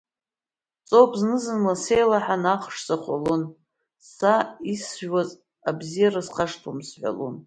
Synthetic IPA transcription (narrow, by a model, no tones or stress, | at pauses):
t͡sʼowpʰʼznɨzɨnlasejlaħanaχʂt͡sʼaχʷalon | saisʒwaz | abzijarasqʰaʂtʰomsħʷa̰lṵn